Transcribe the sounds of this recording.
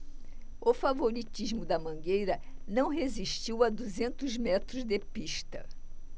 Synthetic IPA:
ʊfavoɾit͡ʃiʒmʊd̪ɐmɐ̃ŋɡejɾɐnɐ̃w̃ɦeziʃt͡ʃiwad̪uzẽnt̪ʊzmɛt̪ɾʊzd̪epiʃt̪ɐ̰

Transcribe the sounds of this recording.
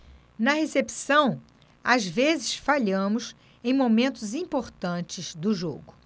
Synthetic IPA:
nɐɦesepisɐ̃w̃ | azvezɪsfaʎɐ̃mʊs | ẽj̃momẽnt̪ʊzĩpoɾt̪ɐ̃t͡ʃɪzd̪ʊʒo̰ɡʊ

